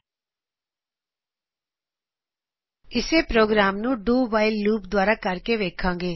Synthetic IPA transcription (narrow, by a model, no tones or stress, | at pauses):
ɪseːpɾoːɡɾaːmnũːɖuːbaːilːuːpd̪waːɾaːkəɾkeːʋeːkʰãːŋɡeː